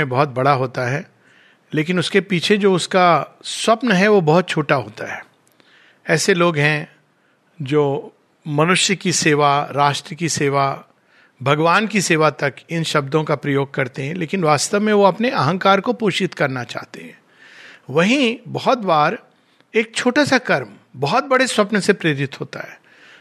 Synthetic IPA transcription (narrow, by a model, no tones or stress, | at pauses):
ẽbɔɦʊt̪̚bɐɽaɦoːt̪aɦɛː | leːkɪnʊskepiːt͡ʃʰed͡ʒoːʊskaswɐpnɦɛʋobɔɦʊt̪̚t͡ʃʰoːʈaɦoːt̪aɦɛː | ɛːseloːɡɦɛ̃ | d͡ʒoː | mɐnʊʃjəkiseːʋaɾaːʃʈɾəkiseːʋa | bʱɐɡʋaːnkiseːʋat̪ɐkɪnʃɐb̚d̪õkapɾɐjoːɡ̚kɐɾt̪eɦɛ̃leːkɪnʋaːst̪əʋmẽʋoɐpneɐɦə̃ŋkaːɾkopoːʃɪt̪kɐɾnat͡ʃa̰ːɦt̪eɦɛ̃ː | ʋɐɦĩbɔɦt̪baːɾ | eːk̚t͡ʃʰoːʈasakɐɾmbɔɦɔt̪̚bɐɽeswɐpnsepɾeːɾɪt̪ɦoːt̪a̰ɦɛː